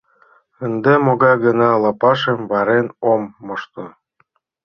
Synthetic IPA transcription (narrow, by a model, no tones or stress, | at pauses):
ənd̪emoɣɑjɡə̆nɑlɑpɑʃə̆mβɑɾenomːoʃt̪ŏ